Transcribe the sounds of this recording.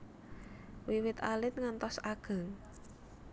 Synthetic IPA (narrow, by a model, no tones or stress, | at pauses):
wiwɪt̪alɪt̪̚ŋant̪ɔsaɡ̥a̤ŋ